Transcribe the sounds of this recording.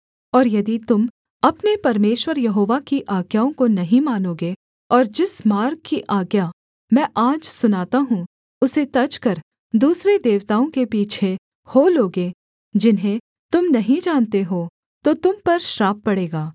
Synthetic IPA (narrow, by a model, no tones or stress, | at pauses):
ɔːɾjɐd̪it̪ʊm | ɐpnepɐɾmeːʃwəɾjɐɦoːʋakiʔaːɡjaːõkonɐɦĩmaːnoːɡe | ɔːɾd͡ʒɪsmaːɾkkːiʔaːɡja | mɛ̃ːʔaːd͡ʒsʊnaːt̪aɦũ | ʊset̪ɐt͡ʃkɐɾ | d̪uːsɾed̪eːʋt̪aːõkepiːt͡ʃʰe | hoːloːɡe | d͡ʒɪnɦẽ | t̪ʊmnɐɦĩd͡ʒaːnt̪eɦoː | t̪ot̪ʊmpɐɾʃɾaːp̚ːɐɽeːɡaː